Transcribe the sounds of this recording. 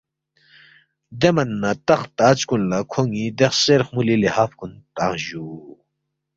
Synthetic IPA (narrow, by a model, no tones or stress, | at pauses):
d̪emɐnːɐt̪ɐχt̪aːt͡skunlakʰoŋid̪eχseɾxmulilihaːfkunt̪ãːʑu